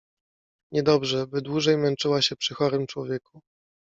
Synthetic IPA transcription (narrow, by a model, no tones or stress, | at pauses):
ɲɛd̪ɔbʐɛbɘd̪wuʐɛjmɛnt͡ʂɘwaɕɛpʂɘxɔɾɘmt͡ʂwɔvʲjɛku